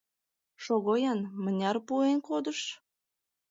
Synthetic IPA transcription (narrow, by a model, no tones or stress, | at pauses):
ʃoɣojɑnmə̆nʲɑrpuenkod̪əʃ